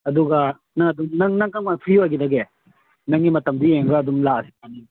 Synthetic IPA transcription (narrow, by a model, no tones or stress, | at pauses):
ɐduɡɐ | naɐdumnɐŋnɐŋkamapʰɾiojɡidɐɡe | nɐŋimɐtɐmdieŋɡɐːdumlaɐsi̥ani